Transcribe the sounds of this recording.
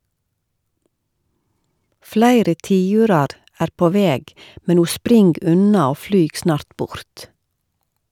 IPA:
ˈflæɪɾə ˈtiːʉːɾɑɾ ˈæːɾ ˈpoː ˈʋeːɡ ˈmɛn ˈuː ˈspɾɪŋɡ ˈʉnɑ ˈoː ˈflyːɡ ˈsnɑːɾt ˈbʊɾt

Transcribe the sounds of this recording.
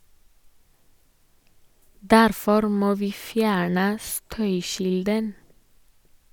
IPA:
ˈdæɾfɔɾ ˈmoː ˈʋiː ˈfjæːɳə ˈstœʏˌçɪldən

